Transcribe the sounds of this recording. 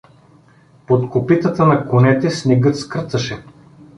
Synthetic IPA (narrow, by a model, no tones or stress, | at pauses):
pot̪kopit̪ət̪ənɐkonɛt̪ɛsnɛɡɤt̪skɾt̪ɐʃɛ